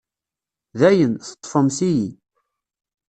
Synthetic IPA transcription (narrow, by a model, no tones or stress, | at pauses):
ðæjənθə̥t̪ˤːfəmsiji